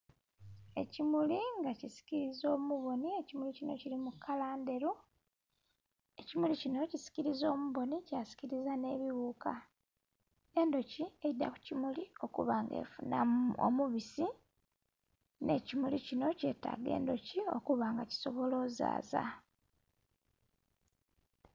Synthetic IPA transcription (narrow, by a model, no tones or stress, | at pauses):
e̞cimuliŋɡacisi̥ciɾizo̞ːmuβo̞nie̞cimulicino̞̰ciɾimukʰːalaːnde̞ɾu | e̞cimulicino̞cisi̥ciɾizo̞ːmuβo̞nicasi̥ciɾizane̞ːβiβuːka | e̞ːndo̞cie̞jidaku̥cimulio̞kṵβaːŋɡḛfunao̰muβisi | ne̞̰cimulicino̞ce̞ːta̰ɡe̞̰ːndo̞cio̞kuβaːŋɡaci̥so̞βo̞lo̞ːza̰ːza̰